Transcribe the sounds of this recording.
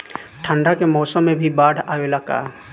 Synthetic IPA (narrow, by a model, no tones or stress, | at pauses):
ʈʰə̃ɳɖakemɔːsəmːẽbʱibaːɽʱaːʋelaka̰ː